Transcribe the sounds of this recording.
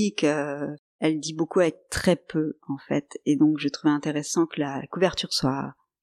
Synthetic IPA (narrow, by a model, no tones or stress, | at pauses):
ikø | ɛld̪ibokuavɛk̚t̪χɛpøɑ̃fɛ̰t̪ed̪ɔ̃kʒət̪χuvɛɛ̃t̪eʁɛsɑ̃kəlakuvɛʁt̪yʁswa̰